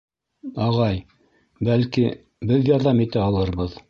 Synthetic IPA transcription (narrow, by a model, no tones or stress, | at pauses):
ɑʁɑj | bælki | bɘðjɑɾðɑmit̪æɑlˠɤɾβɤð